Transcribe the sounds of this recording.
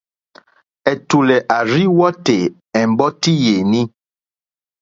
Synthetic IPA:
ɛ˨tu˨lɛ˨ʔa˨ɾi˦wɔ˦te˨ | ɛ˨m˨bɔ˦ti˦je˨nĩ˦

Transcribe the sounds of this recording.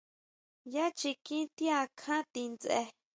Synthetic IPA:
ja˦t͡ʃi˧kĩ˦t̪ja˧kʰã˦t̪i˧nt͡sḛ˧

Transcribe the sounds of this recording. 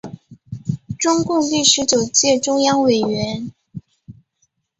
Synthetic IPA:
ʈ͡ʂʊ˥ŋkʊ˥˧ŋli˥˩ʂɻ̩˧˥t͡ɕjo˨˩ʊt͡ɕjɛ˥˩ʈ͡ʂʊ˥ŋjɑ˥ŋwe˨˩ɪɥɛ˧˥n

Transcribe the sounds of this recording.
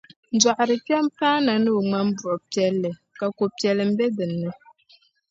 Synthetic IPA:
n̩˨d͡ʒa˨ʔɾɨ˨t͡ʃɛ˦m˦paː˦na˨nɨ˦o˨ŋ͡ma˦m˦bu˨ɔ˨pjɛ˦lːɨ˨ka˨ko˨pjɛ˨lɨ˨m̩˦bɛ˦dɨ˨nːɨ˦

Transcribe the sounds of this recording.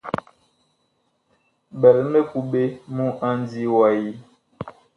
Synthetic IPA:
ɓɛ˨lme˦ku˨ɓe˦mu˦ʔa˦n˦di˦wa˨ji˦

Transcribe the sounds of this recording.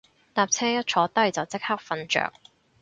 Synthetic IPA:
t̪aː˧p̚t͡sʰɛː˥jɐ˥t̚t͡ʃʰɔː˨˥t̪ɐ˥jt͡sɐ˨wt͡sɪ˥k̚haː˥k̚fɐ˧nt͡ʃœ̰ː˨˩k̚

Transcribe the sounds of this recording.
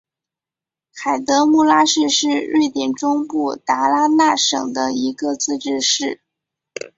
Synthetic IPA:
xa˨˩ɪt̪ɤ˧˥mu˥˩la˥ʂɻ̩˥˧ʂɻ̩˥˧ɻe˥˩ɪt̪jɛ˨˩nʈ͡ʂʊ˥ŋpu˥˩t̪a˧˥la˥na˥˩ʂɤ̰˨˩ŋd̪ə˦i˧˥ɡə˧t͡sɹ̩˥˧ʈ͡ʂɻ̩˥˧ʂɻ̩˥˩

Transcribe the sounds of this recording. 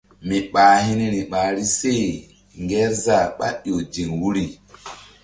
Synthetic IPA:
mi˨ɓaː˨hi˦ni˦ɾi˨ɓaː˨˦ɾi˦se˦ | ŋɡe˦ɾza˨ɓa̰˦ɗo˨d͡ʒi˨ŋwu˦ɾi˨

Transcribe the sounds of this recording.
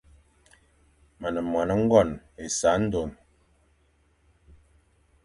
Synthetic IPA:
ma˨nə˨mwa˨nə˦ŋ̩˦ɡɔ˦˨n | e˨sa˨˦n̩˦do˨n

